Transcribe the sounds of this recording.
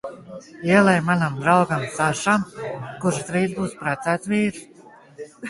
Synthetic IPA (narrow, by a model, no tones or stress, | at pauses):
iɛlˠɛjmanamd̪ɾawɡamsaʃamkuɾʃt̪ɾiːzbuːspɾat̪sæːt̪viːɾs